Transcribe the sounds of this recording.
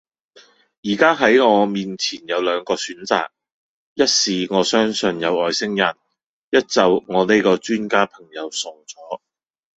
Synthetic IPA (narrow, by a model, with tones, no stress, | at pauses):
jiː˨˩kaː˥ɦɐ˨˥jŋɔː˨˧miː˨nt͡sʰiː˨˩njɐ˨˧wlœː˨˧ŋkɔː˧syː˨˥nt͡sa̰ː˨k̚ | jɐ˥t̚siː˨ŋɔː˨˧sœː˥ŋsɵ˨˧njɐ˨˧wɔː˨jsɪ˥ŋjɐ˨˩n | jɐ˥t̚t͡sɐ˨wŋɔː˨˧ne˥jkɔː˧t͡ʃyː˥nkaː˥pʰɐ˨˩ŋjɐ˨˧wsʊ˨˩ŋt͡sɔː˨˥